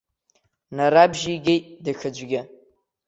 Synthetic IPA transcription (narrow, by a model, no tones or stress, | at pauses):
naɾabʒiɡʲejtʼdɨxɨd͡ʒʷɡʲɪ